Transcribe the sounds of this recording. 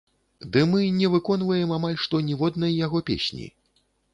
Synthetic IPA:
d̪ɨmɨnʲɛvɨkɔnvɐjɛmamalʲʂt̪ɔnʲivɔd̪nɐjjaɣɔpʲḛsʲnʲḭ

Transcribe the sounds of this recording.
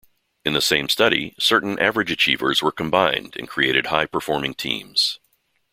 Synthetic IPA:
ɨ̃nðəsẽɪ̃mstʌɾḭsɜ˞ʔn̩ʔæ̰vəɹɨd͡ʒɨt͡ʃʰivə̰˞zwə˞kʰə̃mbãɪ̃ndɨ̰̃nkʰɹ̥ieɪɾɨd̚haɪpʰə˞fɔɹmɪ̃ŋtʰḭ̃mz̥

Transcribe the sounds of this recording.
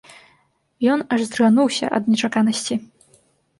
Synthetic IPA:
jɔnɐʐzɾɣanuwsʲɐ̰ʔɐ̰d̪̚nʲɛt͡ʂakanɐsʲt͡sʲi

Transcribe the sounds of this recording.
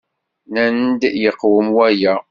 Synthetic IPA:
nænd̪jəqːwəmwæjæ

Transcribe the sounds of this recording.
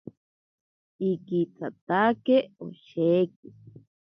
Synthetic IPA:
ikit͡sʰat̪akeo̰ʃek̚i

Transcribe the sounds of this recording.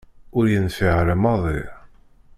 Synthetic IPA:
ʊɾjənfiʕɾəmɑðˤɪɾ

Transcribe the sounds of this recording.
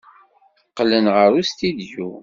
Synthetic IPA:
θqːlənʁəɾust̪id̪ju

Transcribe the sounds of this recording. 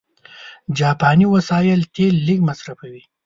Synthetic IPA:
d͡ʒɑːpɑniwasɑjɪlt̪elːikmasɾafawi

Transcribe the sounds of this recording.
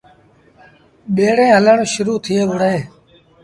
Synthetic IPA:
ɓeːɽẽːɦələɳʃʊɾuːt̪ʰɪeːʋʊɽeː

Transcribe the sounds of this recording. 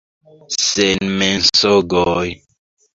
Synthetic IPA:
senmensoɡɔj

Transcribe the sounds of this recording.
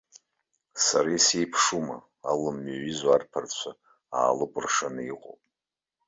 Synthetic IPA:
saɾajsejpʰʂuma | alɨmːaɥizwarpʰart͡ɕʷʰa | a̰ːlɨkʷʼʊrʂanɨiqʼo̰pʼ

